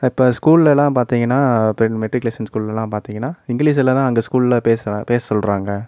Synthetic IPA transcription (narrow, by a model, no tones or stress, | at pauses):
ɪpːoːskuːllɛlːãːpaːɾt̪iːŋɡɐnːaːpɛmɛʈɾɪkleːsɐnskuːllɛlːãːpaːɾt̪iːŋɡɐnːaːɪŋɡɪliːs̬ɛlːãt̪ãːɐŋɡɐskuːllɐpeːspeːssɔlɾaːŋɡɐ